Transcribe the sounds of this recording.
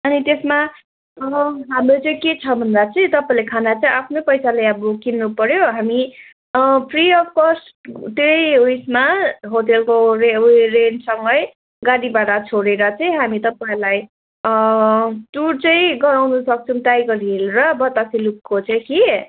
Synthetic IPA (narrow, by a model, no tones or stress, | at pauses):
ʌnit̪esma | ɦamlot͡sʌĩket͡sʰʌbʱʌnd̪at͡sʌĩt̪ʌpaĩlekʰanat͡sʌĩʔapʰnopʌjsalajʌbokinːupʌɾjoɦami | pʰriʌpkʌs | t̪ejujsmaɦoʈelkorerensʌŋɡʌj | ɡaɽibaʈat͡sʰoɽeɾʌt͡sʌĩɦamit̪ʌpaĩlaj | ʈuɽt͡sʌĩɡʌɾawnusʌk̚t͡sʰʌmt̪ajɡʌɾiɦelrʌbʌt̪asilukːot͡sʌĩki